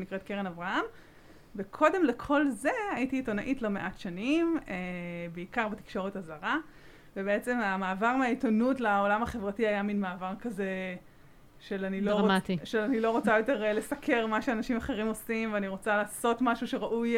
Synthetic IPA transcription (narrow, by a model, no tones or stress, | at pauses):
nikʁet̚keʁenavʁaham | vekʰo̞de̞mle̞kʰo̞lze̞ajitiːto̞naʔitlo̞me̞ʔatʃanimebeikaʁbati̥kʃo̞ʁethazaʁa | vebeet͡se̞mamaːvaʁmeaitonutlao̞lamhaχe̞vʁatiajaminmaːvaʁkaze̞ | ʃelanilomt̪iʃelanilo̞ʁo̞t͡sajo̞te̞ʁle̞sakʰe̞ʁmaʃeanaʃimaχe̞ʁimo̞simveaniʁo̞t͡salaːso̞tmaʃuʃe̞ʁaʔuj